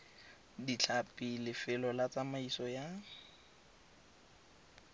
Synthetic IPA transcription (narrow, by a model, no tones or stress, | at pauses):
dit͡ɬʰapʼilɪfɪlɔlat͡samaisɔja